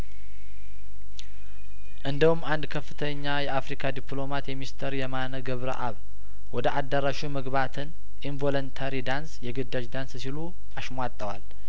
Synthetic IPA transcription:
ʔɨnd̪əhumːand̪kʰəfːɨt̪ʰəɲːajɛʔafɾikʰad̪iplo̞mat̪jɛmist̪ʰəɾjɛmanəɡəβɾə̰ʔa̰β | wɔd̪əʔad̪ːaɾaʃuməɡβat̪ʰɨn | ʔinvolont̪ʰaɾid̪ansjɛɡɨd̪ːad͡ʒd̪anssilu | ʔaʃmʷat̪ʼːəwal

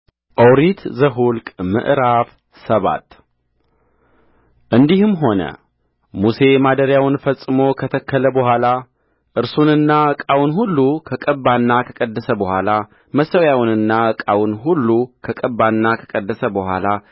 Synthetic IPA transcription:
ʔəwɾit̪ʰzəɦulkʼmɨ̰ʔɾaf | səβa̰t̪ | ʔɨnd̪ihɨmɦo̞nə̰ | muse̞mad̪əɾjawɨnfəsʼːɨmo̞kʰət̪ʰəkʰːələbəhʷala | ʔɨɾsunɨnːaɨkʼawnɦulːukʰəkʼəbːanːakʰə̥kʼəd̪ːəsəbəhʷala | məsəwjawnɨnːaɨkʼawɨnɦulːukʰəkʼəbːanːakʰəkʼəd̪ːəsəbəhʷa̰la

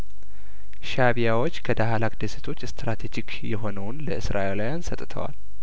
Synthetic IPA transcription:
ʃaβijawo̞t͡ʃːkʰəd̪aɦalakd̪eset̪ʰo̞t͡ʃːst̪ɾat̪ʰed͡ʒik | jɛɦo̞nəwnləɨsɾʔaʔelajansət̪ʼt̪ʰə̰wa̰l

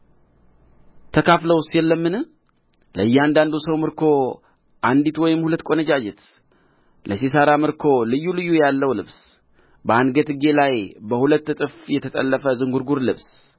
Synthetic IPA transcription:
t̪ʰəkʰafləwsjɛlːəmːɨnɨ | ləɨjːɛand̪and̪usəwmɨɾkʰo̞ | ʔand̪it̪wɔjɪmhulət̪ːkʼo̞nəd͡ʒad͡ʒɛt̪ | lʔəsis̬aɾamɨɾkʰo̞lɨjːulɨjːujalːəwlɨβs | bəanɡət̪ɨɡe̞lajbəhulət̪ːɨt̪ʼɨfjɛt̪ʰət̪ʼə̰lːəfəzɨŋɡuɾɡuɾlɨβs

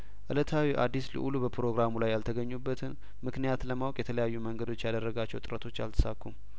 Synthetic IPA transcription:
ʔɨlət̪ʰawiʔa̰d̪ːislə̰ʔulubəpʰɾo̞ɡɾamulajːalt̪ʰəɡəɲːubːət̪ʰɨn | mɨknijat̪ləmawɔkʼjɛt̪ʰələjajːuməŋɡəd̪o̞t͡ʃːjad̪ərːəɡat͡ʃːɛwt̪ʼɨɾət̪ʰo̞t͡ʃːja̰lt̪ʰə̥sakʰːum

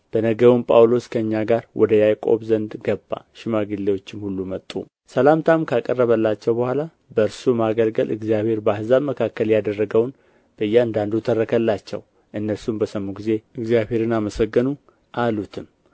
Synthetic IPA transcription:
b̥ənəɡəwumpʼa̰wlo̞skʰəɨɲːaɡaɾwʔɔd̪əjajkʼo̞̰bzənd̪ɡəbːa̰ʃɪmaɡilːewo̞t͡ʃːɪmhulːumət̪ʼːṵ | səlamt̪ʰamkʰakʼərːəβəlːat͡ʃːɛwbəhʷala | bəɨɾsumaɡəlɡəlɨ̰ɡzijaβhe̞ɾbəahzaβməkʰakːəljad̪ərːəɡəwn | b̥əjːɛɨnd̪and̪ut̪ʰərːəkʰəlːat͡ʃːɛ̰w | ʔɨnːəɾsumbəsəmːuɡize̞ɨɡzjaβhe̞ɾɨnaməsəɡːənu | ʔalut̪ʰɨm

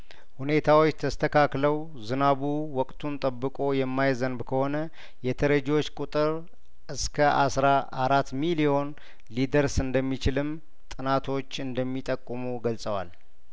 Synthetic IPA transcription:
hune̞t̪ʰawot͡ʃːt̪ʰəst̪ʰəkʰakləw | zɨnaβuwɔkʼt̪ʰunt̪ʼəbːɨkʼo̞jɛmːajzənbkʰəho̞nə | jɛt̪ʰəɾəd͡ʒo̞t͡ʃːkʼut̪ʼɨɾ | ʔɨskʰəʔa̰sɾaaɾat̪milijo̞n | lid̪əɾsɨnd̪əmːit͡ʃɪlɨm | t̪ʼɨnat̪ʰo̞t͡ʃːɨnd̪əmːit̪ʼəkʼːɨmuɡəlsʼəwa̰l

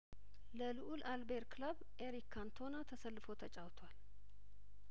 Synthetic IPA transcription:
ləlɨʔulʔalbeɾklaβ | ʔeɾikʰːant̪ʰo̞nat̪ʰəsəlːɨfo̞t̪ʰət͡ʃʼawt̪ʰowal

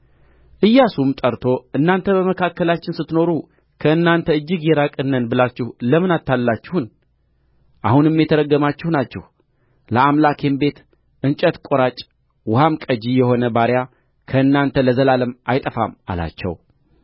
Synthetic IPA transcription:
ʔɨjːasumt̪ʼəɾt̪ʰo̞ɨnːant̪ʰəbəməkʰakːəlat͡ʃːɪnsɨt̪ːno̞ɾu | kʰəɨnːant̪ʰəɨd͡ʒːɪɡjɛɾakʼɨnːənbɨlat͡ʃːɪhləmɨnat̪ːalːat͡ʃːɪhun | ʔa̰hunɨmːjɛt̪ʰəɾəɡːəmat͡ʃːɪhnat͡ʃːɛ̰h | ləamlakʰe̞mbe̞t̪ | ʔɨnt͡ʃʼət̪kʼoɾat͡ʃʼ | wʊhamkʼəd͡ʒijɛho̞nəbaɾja | kʰəɨnːant̪ʰələzəlaləmajt̪ʼəfa̰ma̰la̰t͡ʃːɛ̰w

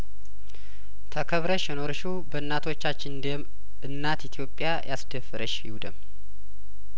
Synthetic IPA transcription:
t̪ʰəkʰəβɾəʃjɛno̞ɾʃubəɨnːat̪ʰo̞t͡ʃːat͡ʃːɪnnd̪em | ʔɨnːat̪it̪ʰjo̞pʼːijajʔasd̪əfɨɾʔəʃɪ̰hud̪əm

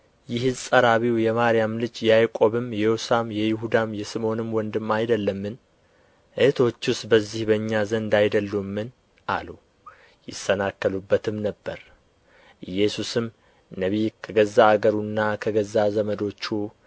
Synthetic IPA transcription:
jɪɦzsʼəɾaβiwjɛmaɾɪjamlɨd͡ʒjajkʼo̞βɨmjɛjosamjɛjɪɦud̪amjɛsɨmo̞nɨmwɔnd̪ɨmːajd̪əlːəmːɨn | ʔɨt̪ʰo̞t͡ʃːʊsbəzːihbəɨɲːazənd̪ajd̪əlːumːɨn | ʔa̰lu | jɪsənakːəlubːət̪ʰɨmnəbːəɾ | ʔɨjɛsusɨm | nəβikʰəɡəzːaːɡəɾunːakʰəɡəzːazəməd̪o̞t͡ʃːu

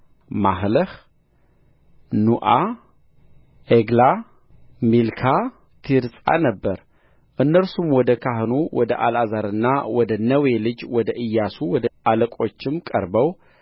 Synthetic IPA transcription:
maɦləh | nuʔa | ʔeɡla | milkʰa | t̪ʰiɾsʼa̰nəbːəɾ | ʔɨnːəɾsumwɔd̪əkʰaɦnowɔd̪əʔalazaɾɨnːawɔd̪ənəwelɨd͡ʒwɔd̪əʔɨjːasuwɔd̪əaləkʼo̞t͡ʃːɪmkʼəɾbəw

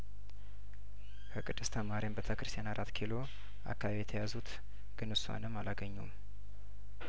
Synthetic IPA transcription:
kʰəkʼɨd̪ːɨst̪ʰəmaɾimbət̪ʰəkɨɾɨst̪ijanaɾʔat̪ːkʰilo̞ | a̰kːaβaβijɛt̪ʰəjazut̪ | ɡ̥ɨnɨswa̰nɨmːalaɡəɲːum

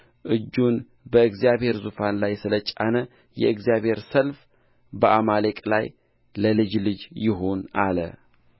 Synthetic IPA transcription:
ʔɨd͡ʒːun | bəɨɡzijaβhe̞ɾzufanlajsɨlət͡ʃʼanə | jɛ̰ɨɡzijaβhe̞ɾsəlf | bəʔamalekʼla̰j | ləlɨd͡ʒlɨd͡ʒjɪɦo̞nalə̰

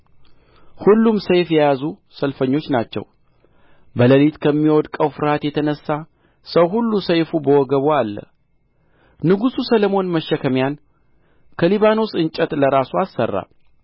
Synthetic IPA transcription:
hulːumsəjfjɛjazu | səlfəɲːo̞t͡ʃːnat͡ʃːɛ̰w | bələlit̪kʰəmːiwɔd̪kʼəwfɨɾhat̪jɛt̪ʰənəsːa | səwɦulːusəjfubəwɔɡəβoalːə̰ | nɨɡususələmo̞nməʃːəkʰəmjan | kʰəliβano̞sɨnt͡ʃʼət̪ləɾasuasːə̰rːa̰

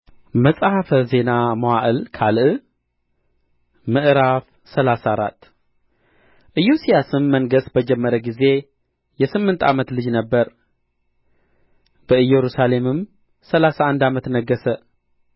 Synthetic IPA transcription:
məsʼhafəze̞namowaʔɨlkʰalʔɨ | mɨʔɾaf | səlasaɾa̰t̪ː | ʔɨjːusijasɨmːəŋɡəsbəd͡ʒɛmːəɾəɡize̞ | jɛsɨmːɨnt̪ʰa̰mət̪lɨd͡ʒnəbːəɾ | b̥əɨjːɛɾusale̞mɨm | səlasaand̪amət̪nəɡːəsə

